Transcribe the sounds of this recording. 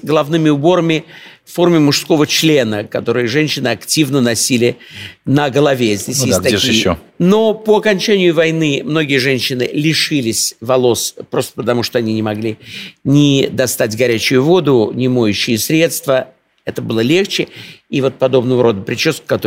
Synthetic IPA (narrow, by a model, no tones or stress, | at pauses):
ɡəlˠɐvnɨmʲɪʊbo̞ɾəmʲɪffo̞rmʲɪmʊʂsko̞vət͡ɕlʲe̞nəkɐt̪o̞ɾɨjʐɛnʲɕːɪnɨɐktʲivnənɐsʲilʲɪnəɡəlˠɐvʲezʲdʲesʲestt̪ɐij | no̞pəɐkɐnʲt͡ɕænʲɪjʊvɐjnɨmno̞ɡʲɪjəʐɛnʲɕːɪnɨlʲɪʂɨlʲɪsʲvɐlˠo̞spɾo̞st̪ə̥pət̪ɐmuʂt̪oɐnʲinʲɪmɐɡlʲinʲɪd̪ɐst̪atʲɡɐɾʲæt͡ɕʊjʊvo̞d̪ʊnʲɪmo̞jʉɕːɪjəsʲɾʲe̞t̪st̪və | ɛt̪əbɨlˠəlʲe̞xt͡ɕɪivo̞t̪̚pɐd̪o̞bnəvəɾo̞d̪əpɾʲɪt͡ɕoskkːɐt̪o